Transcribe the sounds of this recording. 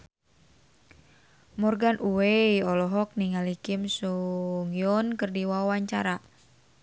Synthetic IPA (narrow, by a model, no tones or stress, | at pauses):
mɔrɡanʔuwejɔlɔɦɔk̚niŋalikimsuŋjɔnkɨrdiwawaɲt͡ʃa̰ɾa